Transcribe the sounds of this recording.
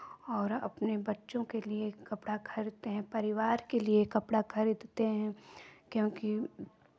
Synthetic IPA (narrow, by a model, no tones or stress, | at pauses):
ɔːɾɐ̰pnebɐtːʃõkeliekɐpɽakʰɐɾit̪eɦɛ̃pɐɾɪʋaːɾkeliekɐpɽakʰɐɾiːd̪t̪eɦɛ̃kjõːki